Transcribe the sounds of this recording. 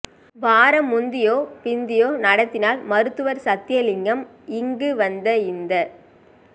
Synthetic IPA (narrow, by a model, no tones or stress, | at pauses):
baːɾɐmːʊnd̪ɪjoːpɪnd̪ɪjoːnɐɽɐt̪ːɪnaːlmɐɾɯt̪ːɯʋɐɾsɐt̪ːɪjɐlɪŋɡɐm | ɪŋɡɯʋɐnd̪ɐɪnd̪ɐ